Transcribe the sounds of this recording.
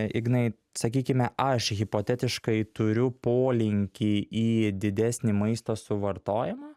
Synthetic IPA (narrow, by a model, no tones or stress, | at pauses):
ɪ̰ɡnɐɪ | sɐkʲiːkʲɪmʲɛʔɐʃɣʲɪpoːt̪ʲɛt̪ʲɪʃkɐɪt̪ʊɾʲʊpoːlʲɪŋʲkʲiiːd̪ʲɪd̪ʲæsʲnʲimɐɪst̪oːsʊʋɐɾt̪oːjɪmɑː